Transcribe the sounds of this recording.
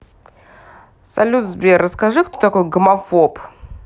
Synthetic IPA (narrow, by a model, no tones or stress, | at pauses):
sɐlʲut̪zbʲerːəskɐʐɨkt̪ot̪ɐko̞jɡəmɐfop